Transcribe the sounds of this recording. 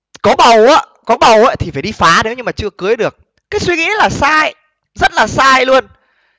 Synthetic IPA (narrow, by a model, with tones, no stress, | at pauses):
kɔ˨˦ɓə˨˩waː˨˦ | kɔ˨˦ɓə˨˩wʔaː˨˦t̪ʰi˨˩faː˧˩ɗi˧faː˨˦ne˨˦wɲɨ˧maː˨˩t͡ɕɨ˧əkɨ˨˦əjɗɨ˨˩ək̚ | kːaː˨˦jswi˧ŋḭ˧˥laː˨˩saː˧j | zə˦˥t̚laː˨˩saː˧jlu˧ən